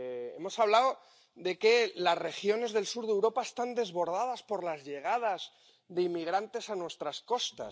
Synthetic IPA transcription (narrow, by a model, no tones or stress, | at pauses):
e̞̰mo̞saβlaw | ðe̞ke̞lasre̞xjo̞ne̞zðe̞lsuɾðe̞wɾo̞paest̪and̪e̞zβo̞ɾð̞að̞aspo̞ɾlazʝe̞ɣ̞að̞az | ðe̞imːiɣ̞ɾant̪e̞sanwe̞st̪ɾasko̞st̪a̰